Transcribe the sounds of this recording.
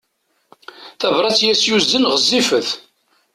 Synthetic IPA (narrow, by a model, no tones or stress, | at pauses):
θævɾˤɑt͡sːjæsjuzd̪ənʁəzˤːifəθ